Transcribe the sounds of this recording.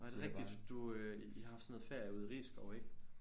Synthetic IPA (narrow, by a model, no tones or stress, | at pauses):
d̥e̝ʁɛɡ̥̚id̥d̥uø | iɑhɑ̈fd̥snoð̩ˠfeɐjuðˠiʁḭːsɡ̥ɒʊe̝ɡ̥ə